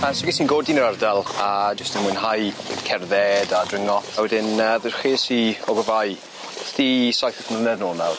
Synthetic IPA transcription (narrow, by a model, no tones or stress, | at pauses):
asɪɡisinɡoːdinəɾardalˠad͡ʒɪstənmʊjnɦajkʰɛrðɛdadrɪŋɔawɛdɪnəðərχiːsiɔɡɔvaj | sdisajθəθmlənɛðnɔlˠnalˠ